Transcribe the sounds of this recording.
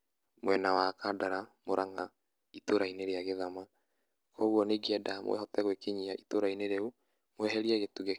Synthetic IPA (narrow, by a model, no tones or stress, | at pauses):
mwɛnawakadaɾamoɾʔaŋa | itoɾaineɾeaɣeðama | kʰɔɣwɔneɡiɛdamw̰ɛ̰hɔtɛɣwekeɲiaʔitoɾaineɾeu | mwɛɦɛɾiɛɣetuɣe